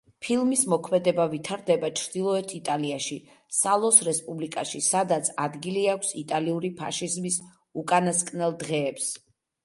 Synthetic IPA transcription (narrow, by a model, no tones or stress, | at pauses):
pʰilˠmismɔkʰmɛd̪ɛbavit̪ʰaɾd̪ɛbat͡ʃʰɾd̪̥ilˠɔɛt̪ʰit̪ʼaliaʃi | salˠɔsɾɛspʼublikʼaʃisad̪at̪sʰad̪ɡiliakʷʰsit̪ʼaliuɾipʰa̰ʃizmis | ukʼanaskʼnɛlˠd̪ʁɛːps